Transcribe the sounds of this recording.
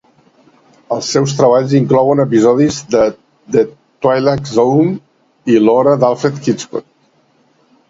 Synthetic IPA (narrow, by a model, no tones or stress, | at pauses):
əlˠsːɛwst̪ɾəβ̞aʎziŋklɔwənəp̬izɔðizd̪ə | d̪ə | t̪wajlakzom | ilɔɾəd̪alˠfɾet̪kit͡sko̰t̪